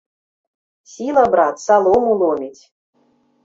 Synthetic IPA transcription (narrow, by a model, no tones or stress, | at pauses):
sʲilˠabɾɑt̪sɑlˠomulˠomʲit̪ʲ